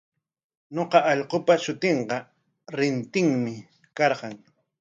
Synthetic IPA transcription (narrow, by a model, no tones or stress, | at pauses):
ɲoqɑʔɑʎqopaʃʊt̪eɴqɑ | ɾɪnt̪ɪŋmɪ | kɑɾɢɑŋ